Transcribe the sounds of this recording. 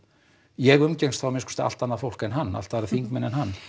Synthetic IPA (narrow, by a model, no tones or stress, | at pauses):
jɛɣʏmcɛjŋst̪θawmɪskɔ̥st̪ɪa̰lt̪anːafowl̥kɛnɦanːa̰l̥t̪aaɾaθiŋkmɛnɛnhanː